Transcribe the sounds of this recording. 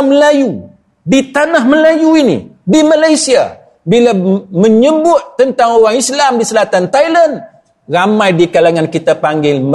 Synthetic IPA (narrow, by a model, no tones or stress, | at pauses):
məlaju | dit̪anahməlajuinḭdimalajsia̰ | bilamə̃ɲəbʊt̪̚t̪ːənt̪aŋoɾaŋislamdisəlat̪ant̪ajlan | ramãjdikalaŋankit̪apaŋɡɪŋmə